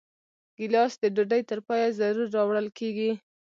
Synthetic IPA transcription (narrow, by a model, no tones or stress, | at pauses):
ɡ̥ɪlɑsd̪əɖuɖəjt̪əɾpɑjazaɾuɾːɑwɽəlkeɡi